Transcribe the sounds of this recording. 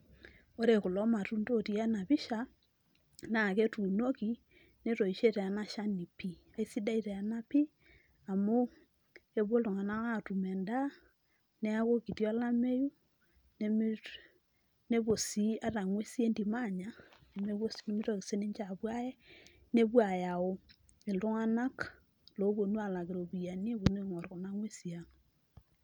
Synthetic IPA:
o˦ɾe˨ku˨lɔ˦ma˨tu˦ndo˦˨ti˦a˦na˨βi˦ʃa˨ | na˨ke˦tu˨no˦ki˨ | ne˦to˨i˨ʃe˦te˨a˨na˦ʃa˦ni˨pi˦ | a˨i˦si˦da˦i˦te˨a˨na˦pi˦ | a˨mo˦ | ke˦βwo˦lo˨ŋa˨na˦a˦tu˨mɛ˨nda˦ | ne˦a˦ko˦ki˨tjɔ˦la˦me˦ju˦ | ne˦m˦ | ne˦bo˨si˦a˦ta˨ŋwe˦si˦e˦ndi˨ma˦˨ɲa˦e˨me˦βo˦sne˦mi˦to˦ki˨se˦ni˦ɲt͡ʃa˨pwa˦jɛ˦ | ne˦pwa˨ja˨o˦ | e˨lʊ˦ŋa˦na˦k | lo˨˦bo˨nu˦a˨la˨kɪ˨ɾo˨bi˨ja˨ni˦ko˨ne˦˨ŋɔ˨rko˨na˦ŋwe˦si˨a˨ŋ

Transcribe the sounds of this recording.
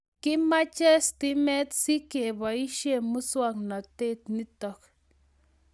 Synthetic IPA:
ki˦ma˦t͡ʃɛ˦st̪i˦mɛ˦t̪si˦ke˨βa˨i˦ʃe˦mu˦swa˦kna˨t̪e˦t̪ni˦t̪ɔk

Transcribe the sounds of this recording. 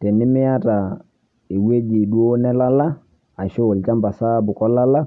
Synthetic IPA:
tɛ˨nɪ˦mɪ˦a˦ta˨ | e˨we˦d͡ʒi˨ɗu˦o˦nɛ˦la˦la˦ | a˨ʃo˦˨lt͡ʃa˦mba˨sa˦bʊ˨kɔ˦la˦la˦

